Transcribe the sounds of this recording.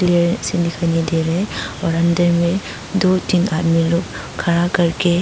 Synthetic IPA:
lɾsinikʰanideɾeɔɾandɐɾme | dotinat̚miluk | kʰːaɾakɐɾke

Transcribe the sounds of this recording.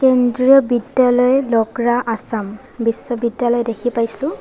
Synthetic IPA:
kendɹiɔbidjalɔjlɔɡɹaʔasam | bisːɔbidjalɔjdekʰipajsʊ̃

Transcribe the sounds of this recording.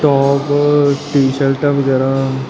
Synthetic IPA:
ʈɔːpʈiːsəlʈaʋɐɡɛːɾa

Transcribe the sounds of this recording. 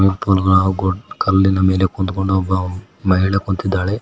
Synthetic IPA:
miɾpuːnɐɡɐɭɐɡokɐlːinɐme̞ːle̞kond̪ukoɳɖoːbːɐ | mɐɦiɭɐkont̪id̪ːaːɭe

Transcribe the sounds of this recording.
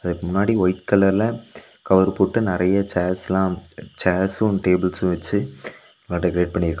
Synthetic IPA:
ɐðɐmʊnːaːɽiɔjɪʈ̚kɐlɐlɐkɐʋɐɾpoːʈːɯnɪɾɐjɐt͡ʃaːslãːt͡ʃaːsʊ̃ʈeːbɪlsʊ̃ʋɐt͡ʃːɯ | ŋːʈːɐkɪɾeːʈ̚pɐɳːɪɾkːɐ̃

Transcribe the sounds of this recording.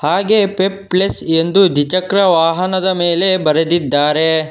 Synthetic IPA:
haːɡe̞ːpepːlesend̪ud̪ʱit͡ʃɐkɾɐʋaːɦɐnɐd̪ɐmeːlebɐɾed̪id̪ːaːɾe

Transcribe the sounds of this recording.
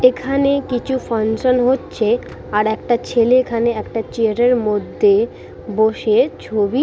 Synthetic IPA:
ekʰanekit͡ɕʰufansonɦotːɕʰe | aɾɛk̚ʈat͡ɕʰeleːkʰaneɛkʈat͡ɕeaɾeɾmod̪ʱːe | boʃet͡ɕʰobi

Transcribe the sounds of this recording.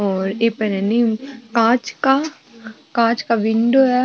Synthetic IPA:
ɔːɾeːpɐnɛnikãːt͡ʃka | kãːt͡ʃkaʋɪ̃ɳɖoɛ

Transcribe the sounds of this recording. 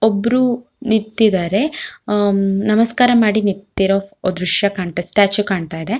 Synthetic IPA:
obːɐɾu | niɾt̪ːid̪aːɾe̞ | nɐmɐskaːɾɐmaːɽiniɾt̪ːiɾood̪ɾuʃjɐkaːɳt̪aːesʈaːt͡ʃukaːɳt̪aːjd̪e

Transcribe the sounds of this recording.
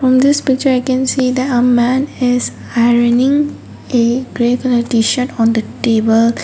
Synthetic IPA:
fɹɔ̃md̪ɪspɪk̚t͡ʃəɾaɪkɛ̃nsiːd̪ɛtəmæ̃nɪz | aɪɹənɪ̃ŋ | eɡɾeknəʈiʃəʈɔ̃nd̪əʈeːbəl

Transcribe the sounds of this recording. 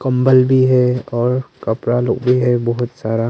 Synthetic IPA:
kɐ̃mbəlbʱiɦɛɔːɾkɐpɾalo̰ːɡbʱiɦɛbɔɦʊt̪saːɾa

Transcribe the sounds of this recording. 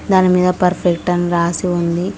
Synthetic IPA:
d̪aːnimiːd̪ɐpɐɾpʰek̚ʈɐnɾaːsiund̪i

